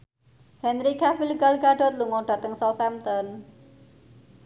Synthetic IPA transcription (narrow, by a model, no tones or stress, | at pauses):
hɛnɾikafilɡalɡaɖɔrluŋɔɖ̥ä̤t̪əŋsɔsamt̪ɔn